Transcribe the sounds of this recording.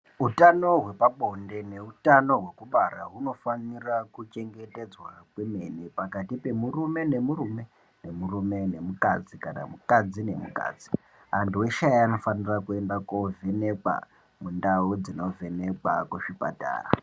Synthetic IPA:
ɦutano̞ɦwe̞paɓo̞nde̞ne̞utano̞ɦwe̞kuɓaɾaɦuno̞fanirakut͡ʃe̞ŋɡete̞d͡zwakweme̞nepakatipe̞murume̞ne̞murume̞ | ne̞murume̞ne̞mukad͡zikana̰mukad͡zine̞muka̰ːd͡zi̥ | antuwe̞ʃajano̞fanirakue̞ndakovʱene̞kwa̰ | mundaud͡zino̞vene̞kwa̰kweʂipa̰ta̰ːra̰

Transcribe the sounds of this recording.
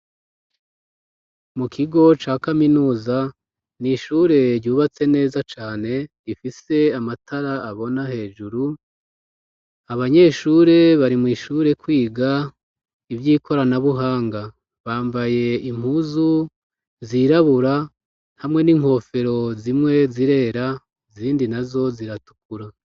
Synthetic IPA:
mukʰiɡo̞t͡ʃaːkaminuːza | niʃuɾe̞ɾɟuːβat͡se̞ne̞ːzat͡ʃaːne̞ | ifise̞amatʰaɾaːβo̞nahe̞ːd͡ʒuɾu | aβaɲe̞ːʃuːɾe̞βaɾimŋwiːʃuːɾe̞kwiːɡa | ivjiːkʰo̞ɾanaβuɦaːŋɡa | βaːmbaje̞im̥huːzu | ziɾaβuɾa | nhamŋe̞niŋ̥ho̞ːfe̞ɾo̞zimŋe̞ziɾe̞ːɾa | ziːndinazo̞ziɾatu̥kuɾa

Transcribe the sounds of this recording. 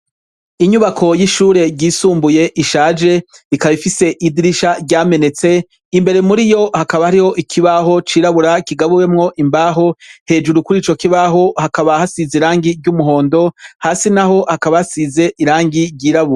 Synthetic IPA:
iɲuβakʰo̞jiʃuːɾe̞ɾɟiːsuːmbuje̞ʔiʃaːd͡ʒe̞ikaβifise̞ʔidiɾiʃaɾɟaːme̞ne̞t͡se̞ | imbe̞ɾe̞muɾijo̞hakaβahaɾiho̞ʔikʰiβaɦo̞t͡ʃiːɾaβuɾakiɡaβuwemŋo̞ʔimbaːɦo̞he̞ːd͡ʒuɾukuɾiːt͡ʃo̞kiβaɦo̞hakaβahasiziɾaːŋɡiɾɟumuɦo̞ːndo̞haːsinaɦo̞hakaβahasize̞ʔiɾaːŋɡiɾɟiːɾaβuɾa

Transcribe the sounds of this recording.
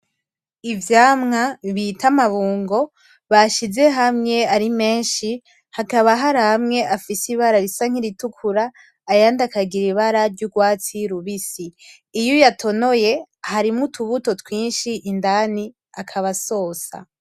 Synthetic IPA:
ivjaːmŋaβitʰamaβuːŋɡo̞ | βaʃize̞ɦamŋe̞aɾime̞ːnʃi | hakaβaɦaɾahamŋe̞ʔafisiβaɾaɾisaŋ̥iɾitukʰuɾaː | jaːndakaɡiɾiβaɾaɾɟuɡwaːt͡siɾuβisiː | jojatʰo̞no̞je̞haɾimutʰuβuto̞twiːnʃiʔːndani | akʰaβaso̞ːsa̰

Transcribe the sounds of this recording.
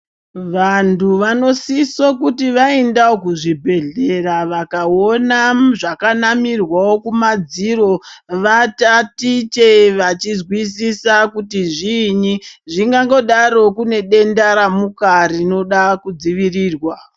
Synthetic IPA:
ʋantʰuʋano̞sisokutiʋaendaokuʐibʱe̞ɮe̞raʋakaonaʐakanamirwawokumad͡ziɾo̞ʋatatit͡ʃe̞ʋat͡ʃizwisisakutiʐiɲiʐiŋɡaŋɡo̞ɗaɾo̞kune̞ɗe̞ndaɾamukarino̞ɗakud͡ziʋiriːrwa

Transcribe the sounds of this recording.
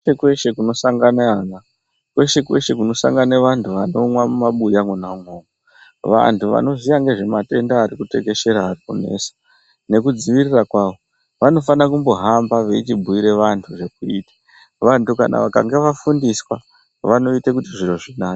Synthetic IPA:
ekwe̞ʃe̞kuno̞saŋɡanaana | kwe̞ʃe̞kwe̞ʃe̞k̬uno̞sa̰ŋɡaneʋantʰuʋano̞mwamumaɓujaŋwenaŋoːŋo | ʋa̰ntʰuʋa̰no̞ʐijaŋɡe̞ʐe̞mate̞ndaːɾikute̞ke̞ʃe̞ɾaːrikune̞̰ːsḁ | ne̞kud͡ziʋirirakwaːʋo̞ | ʋano̞fanakumbo̞ɦambaʋe̞it͡ʃibʱuiɾe̞ʋantʰuʐe̞k̚uiːtḁ | ʋantuka̰na̰ʋaka̰ŋɡeʋafundiswa | ʋano̞itekutiʐiro̞ʐinaːe̥

